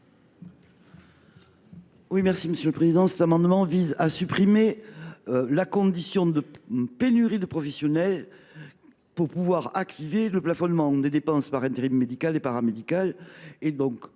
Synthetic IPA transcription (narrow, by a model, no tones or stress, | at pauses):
wimɛʁsiməsjøləpχezid̪ɑ̃sɛt̪amɑ̃d̪əmɑ̃vizasypχimeølakɔ̃d̪isjɔ̃d̪əpenyʁid̪əpχɔfɛsjɔnɛl | puʁpuvwaʁakt̪iveləplafɔnmɑ̃d̪ed̪epɑ̃spaʁɛ̃t̪eʁimːed̪ikalepaʁamed̪ikaled̪ɔ̃ŋk